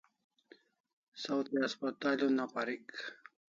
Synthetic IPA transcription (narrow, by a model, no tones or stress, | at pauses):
sawt̪iaspat̪aːlunapaɾik